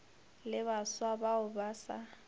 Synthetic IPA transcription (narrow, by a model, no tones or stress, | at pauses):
lɪβaswabaʊbaːsa̰